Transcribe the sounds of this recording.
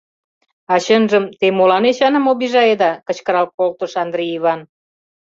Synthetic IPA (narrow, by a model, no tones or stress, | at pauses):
ɑɕənʒəmt̪emolɑnet͡ɕɑnə̆moβiʒɑed̪ɑkə̆t͡ɕkəɾɑl̚kolt̪ə̆ʃɑnd̪ɾeiβɑn